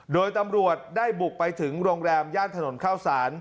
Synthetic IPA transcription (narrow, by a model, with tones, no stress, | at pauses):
doː˧jt̪a˧mɾu˨˩ət̪̚daː˥˩jbu˨˩k̚pa˧jt̪ʰɯ˩˦ŋɾoː˧ŋɾɛː˧mjaː˥˩nt̪ʰa˧no˩˦nkʰaː˥˩wsaː˩˦n